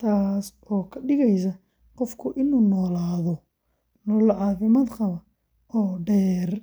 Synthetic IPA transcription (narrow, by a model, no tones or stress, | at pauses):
t̪ʰaːs | ɔːkʰɐɖɪɣɛjs̬ɐ | qɔfkʰʊʔɪnuːnɔːlaːðɔ | nɔːlʕɑːfɪmaːd̪qɐβɐ | ɔːɖɛːr